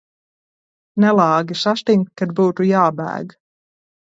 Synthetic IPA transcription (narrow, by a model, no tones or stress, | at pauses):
nɛlɑːɡisaʃt̪iŋkkːad̪buːt̪ujɑːbæ̰ːɡ